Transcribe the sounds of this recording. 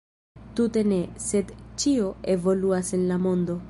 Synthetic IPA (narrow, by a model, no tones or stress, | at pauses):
t̪ute̞ne̞se̞d̪t͡ʃio̞evo̞luasenlamo̞nd̪o̞